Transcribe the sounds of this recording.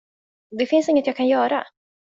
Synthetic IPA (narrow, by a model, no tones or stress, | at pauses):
d̪ɛfɪnsɪŋːət̪jɑːɡ̚kʰanjœːɾa̰